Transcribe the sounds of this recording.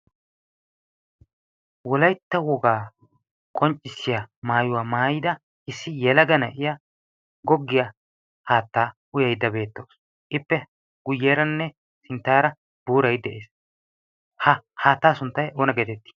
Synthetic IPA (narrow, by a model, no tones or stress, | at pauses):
wɔlɐjt̪ːɐwɔɡaː | kʼɔnt͡ʃʼːɪsːɪjɐmaːjʊwaːmaːjɪd̪ɐ | ʔɪsːɪjɛlɐɡɐnɐʔɪja | ɡɔɡːɪja | haːt̪ːaː | ʊjɐjd̪ːɐbe̞ːt̪ːoːs | ʔɪpːɛ | ɡ̥ʊjːeːɾɐnːɛ | sɪnt̪ːaːɾɐ | b̥uːɾɐjd̪ɛʔeːs | hɐhaːt̪ːaːsʊnt̪ːɐjʔoːnɐɡeːt̪ɛt̪ːi̥